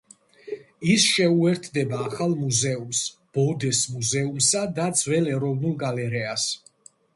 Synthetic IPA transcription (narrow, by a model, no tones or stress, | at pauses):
isʃɛuɛɾt̪ʰd̪ɛbaːχalˠmuzɛumsb̥ɔd̪ɛsmuzɛumsad̪ad̪zwɛlɛɾɔvnulˠɡalɛɾɛas